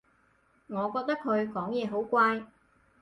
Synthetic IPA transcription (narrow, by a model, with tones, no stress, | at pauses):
ŋɔː˨˧kɔː˧k̚t̪ɐ˥kʰːɵ˨˧ɥkɔː˨˥ŋjɛː˨˧ɦo˨˥wkʷaː˧j